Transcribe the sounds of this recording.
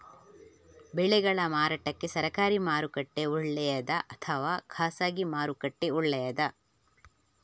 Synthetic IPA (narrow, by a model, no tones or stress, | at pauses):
bɛɭɛɡɐɭɐmaːɾaːʈɐkːe̞sɐɾɐkaːɾimaːɾukɐʈːeuɭːɛjɐd̪ɐʔɐt̪ʰɐʋaːkʰaːsaːɡimaːɾukɐʈːeuɭːɛjɐd̪ɐ